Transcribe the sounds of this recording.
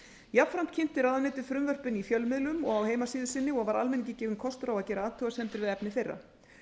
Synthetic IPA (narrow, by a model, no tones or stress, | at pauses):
japfɾam̥t̪cʰɪn̥t̪ɪɾawðanɪːt̪ɪ̥fɾʏmvœr̥pɪnifjœlmɪðlʏmɔɣawɦeːjmasiːðɪsɪnːɪɔɣvaɾalmɛnɪŋɲcɪcɛːvɪnkʰɔst̪ɾawaðcɛːɾaaːt̪ʰœːɣasɛmt̪ɪɾvɪðɛpnɪθejrːa̰